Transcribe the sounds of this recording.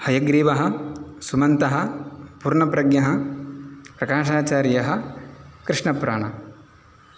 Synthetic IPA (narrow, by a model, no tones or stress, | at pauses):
hɐjɐɡɾiːʋɐɦɐ̆sumɐnt̪ɐɦɐ̆puːɾɳɐpɾɐɡɲɐɦɐ̆ | pɾɐkaːʃaːt͡ʃaːɾjɐɦɐ̆kɾɪʂɳɐpɾa̰ːɳɐ